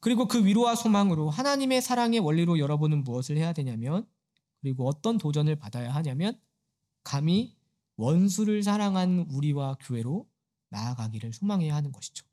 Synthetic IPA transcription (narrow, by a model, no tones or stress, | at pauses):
kɯɾiɡokɯɥiɾowasʰomaŋɯɾoɦanaɲime̞sʰaɾaŋe̞wʌʎːiɾojʌɾʌbonɯnmuʌsʰɯɭhe̞jadwe̞ɲamjʌn | kɯɾiɡoʌt͈ʌntod͡ʑʌnɯɭpadajaɦaɲamjʌn | kami | wʌnsʰuɾɯɭs̬ʰaɾaŋɦanuɾiwakjoɦe̞ɾo | naːɡaɡiɾɯɭsʰomaŋɦe̞jaɦanɯnɡʌɕʰi̥d͡ʑo̥